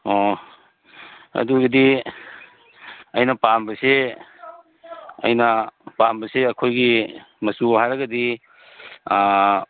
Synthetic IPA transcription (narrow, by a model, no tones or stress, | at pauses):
o | ɐ̰duɡɐdi | ɐjnɐpambɐse | ɐ̰jnɐpambɐseɐkʰojɡi | mɐsuɦajɾɐɡɐdi